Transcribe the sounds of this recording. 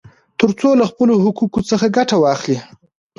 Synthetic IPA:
t̪əɾt͡solaxpəloɦʊkukot͡səxaɡaʈawɑxli

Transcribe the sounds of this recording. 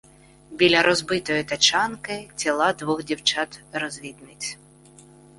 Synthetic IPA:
bʲilʲɐɾɔzbɪt̪ɔjʊt̪ɐt͡ʃɑnkɪt͡sʲilˠɑd̪ʋʊɣdʲiwt͡ʃɑt̪rɔzʲʋʲid̪nɪt͡sʲ

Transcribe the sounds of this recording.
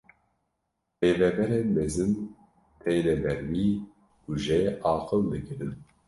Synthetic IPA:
ɾeːvɛbɛɾɛmɛzɨm | t̪ʰɛːnɛbɛɾwi | kuʒɛʔɑːqʰɨld̪ɨkɨɾɨn

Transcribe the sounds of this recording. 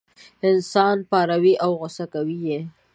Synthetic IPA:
ɪnsɑnpɑɾawiʔawɣʊsakawije

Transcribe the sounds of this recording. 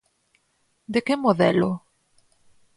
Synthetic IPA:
d̪ekemoðɛlo

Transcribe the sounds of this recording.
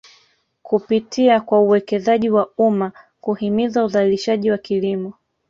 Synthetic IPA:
kupitʰiakwauwɛkɛzaʄiwauma | kuhimizauzaliliʃaʄiwakilimɔ

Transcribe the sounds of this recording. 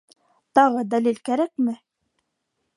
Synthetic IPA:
t̪ɑʁɤd̪ælilkæɾækmɘ

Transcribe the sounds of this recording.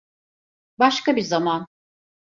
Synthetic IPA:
baʃkabizaman

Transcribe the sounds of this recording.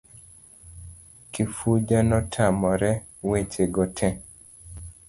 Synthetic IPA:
kifud͡ʒanɔtʰamɔɾɛ | wet͡ʃeɡɔtʰɛ

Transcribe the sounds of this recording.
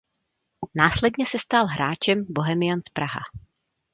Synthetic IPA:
naːslɛdɲɛsɛst̪alɦɾaːt͡ʃɛmboɦɛmɪjanspɾaɦa̰

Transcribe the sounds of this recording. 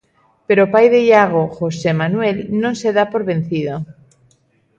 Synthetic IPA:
pe̞ɾopajðeʎaɣ̞oxosemanwe̞lnõnse̞ðapo̞ɾβe̞n̟θið̞o

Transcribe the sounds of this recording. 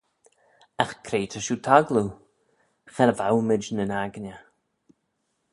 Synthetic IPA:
axkʰɾeːt̪ʰəʃuːt̪ʰaɡlu | xɛɾəvawmɪd͡ʒnənaɡnʲə

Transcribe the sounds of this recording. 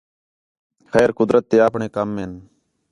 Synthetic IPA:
xɛːɾkʊd̪ɾət̪ːeːaːpɳeːkəmːeːn

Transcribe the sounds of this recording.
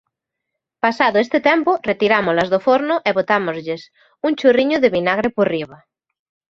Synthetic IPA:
pasaðʊest̪et̪ɛmporet̪iɾamolazðofoɾnʊʔeβot̪amozʎes | uŋt͡ʃuriɲʊðeβinaɣ̞ɾeporiβ̞a

